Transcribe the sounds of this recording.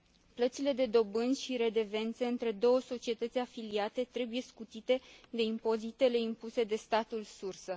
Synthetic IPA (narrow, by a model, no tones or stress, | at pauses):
plət̪sile̞d̪e̞d̪o̞bɨnʲʃiɾe̞d̪e̞ve̞nt̪seɨnt̪ɾe̞d̪o̞wəso̞t͡ʃie̞t̪ət̪sʲafiliat̪e̞t̪ɾe̞bujeskut̪it̪e̞d̪e̞impo̞zit̪e̞le̞impuse̞d̪e̞st̪at̪ulsursə